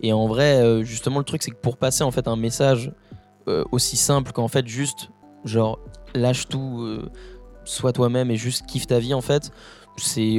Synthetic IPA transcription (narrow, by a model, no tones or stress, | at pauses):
eɑ̃vʁɛøʒyst̪əmɑ̃lət̪χyksɛkəpuʁpaseɑ̃fɛt̪ɛ̃mesaʒ | ø̰osisɛ̃plkɑ̃fɛt̪ʒyst̪ | ʒɑ̃ʁlaʃt̪uø̰ | swat̪wamɛmeʒyst̪kʲʰift̪aviɑ̃fɛt̪ | sɛ